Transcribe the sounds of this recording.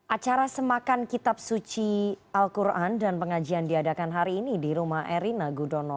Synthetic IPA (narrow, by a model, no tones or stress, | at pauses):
ʔat͡ʃaɾasəmakankit̪ap̚sut͡ʃiʔalkuɾʔandanpəŋad͡ʒiandiadakanɦaɾiːnidiɾumahʔɛɾinaɡudɔnɔ